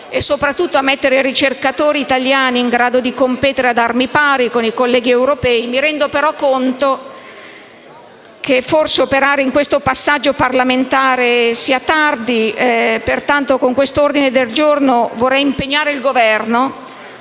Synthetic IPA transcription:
esːopɾat̪ːut̪ːoamːet̪ːeɾeɾit͡ʃerkat̪oːɾiːt̪aljaːniːŋɡɾaːd̪od̪ikompɛːt̪eɾead̪armipaːɾikonikolːɛːɡiewɾopɛːimiɾɛnd̪opeɾɔkːont̪o | kʰeforseopeɾaːɾeiŋkwest̪opasːad͡ʒːoparlament̪aːɾesiːat̪ard̪ipert̪ant̪okoŋkwest̪oord̪ined̪eld͡ʒornovorːɛjimpeɲːaːɾeilɡovɛrno

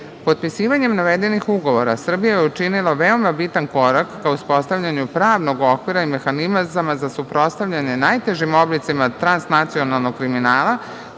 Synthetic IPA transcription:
po̞t̪̚pisiːʋaɲemnaʋed̪e̞nixuɡo̞ʋo̞ɾasr̩bijajeut͡ʃinilˠaʋeo̞mabit̪anko̞ɾakːauspo̞st̪aʋʎaɲupɾaːʋno̞ɡo̞kʋiɾaime̞xanimzamazasupɾo̞st̪aʋʎʲaɲe̞najt̪eʒimo̞blit̪simat̪ɾansnat̪sio̞nalˠno̞kkːɾiminaːlˠa

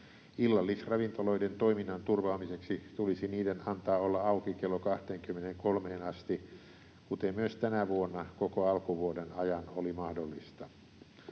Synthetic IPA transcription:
ilːɑlːisrɑʋint̪oloident̪oiminːɑnt̪urʋɑːmiseksit̪ulisiniːdenɑnt̪ɑːolːɑɑukikelːokɑht̪eːŋkymːeneŋkolmeːnɑst̪i | kut̪emmyøst̪ænæʋuonːɑkokoɑlkuʋuodenɑjɑnolimɑhdolːist̪ɑ

